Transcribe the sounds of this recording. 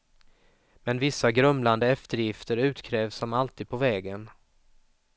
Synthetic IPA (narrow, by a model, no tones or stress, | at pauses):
mɛnvɪsːaɡɾœmland̪əɛft̪əɾjɪft̪əɾʉ̟ːt̪kʰɾɛːvsɔmalt̪iːd̪̚pʰɔvɛːɡən